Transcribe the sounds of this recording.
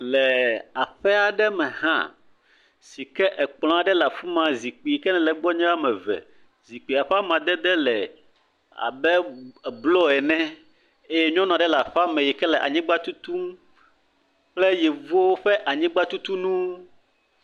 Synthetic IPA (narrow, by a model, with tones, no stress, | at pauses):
lɛ˨a˨ɸɛ˦a˨ɖɛ˦mɛ̃˨hã̰˦ | si˨kɛ˦ʔɛ˨k͡pl̃ɔ̃˦a˨˦ɖɛ˦la˨fu˦mã˨zi˨k͡pi˨ji˨kɛ˦nɛ̃˨lɛ˨ɡ͡bɔ˦ɲɛ̃˦a˦mɛ̃˨vɛ̰˨ | zi˨k͡pi˨a˨ɸɛ˦a˦mã˨d̪ɛ˦d̪ɛ˦lɛ˨ | a̰˨bɛ˦ɛ˨blɔ˦ɛ˨nɛ̃˦ | e˦jɛ˦ɲɔ̃˦nã˨ɖɛ˦la˨ɸa˦mɛ̃˨jɛ˨kɛ˦lɛ˨ʔa̰˨ɲĩ˦ɡ͡ba˦t̪u˦t̪u˦m | k͡plɛ˦jɛ˨vu˦wo˦ɸɛ˦ʔa˨ɲĩ˦ɡ͡ba˦t̪u˦t̪u˦nũ˦